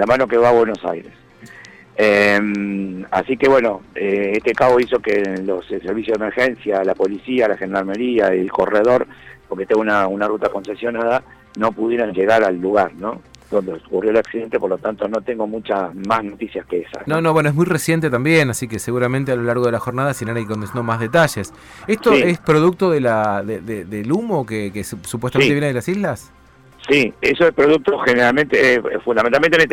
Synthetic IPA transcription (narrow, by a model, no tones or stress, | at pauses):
lamano̞keβaβwe̞no̞sa̰jɾḛs | ema̰sikeβwe̞no̞eeht̪ekaβoiso̞kelosseɾβisjozðemeɾxensjalapo̞lisialaxend̪aɾmeɾiailko̞reð̞o̞ɾpoɾket̪eŋɡunaunarut̪ako̞nsesjo̞naða | no̞puðje̞ɾanʒe̞ɣaɾalːuɣaɾno̞̰ðo̞nd̪eokurjoelaksiðe̞nt̪epoɾlo̞t̪ant̪o̞no̞t̪e̞ŋɡo̞mut͡ʃamasnot̪isjaskeesa̰nonoβwenoeɦmujresjent̪̬et̪ambjenasikeseɣuɾament̪ealo̞laɾɣo̞ð̞elaxo̞ɾnaðasinanaikond̪snd̪omazðet̪aʒes | essoiespɾoð̞uk̚t̪oðelaðeðeðelumo̞kekessupwest̪amenjeneðelasizlas | siesoespɾoðuk̚t̪oxeneɾalmẽnt̪efund̪amẽnalmenemen